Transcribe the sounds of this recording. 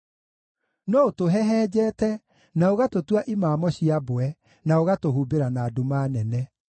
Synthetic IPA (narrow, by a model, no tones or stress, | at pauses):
nɔotoɦɛɦɛːd͡ʑɛːtɛ | naoɣatotwaʔimaːmɔɕiaboɛ | naoɣatoɦuːbeɾanaːdomaːnɛnɛ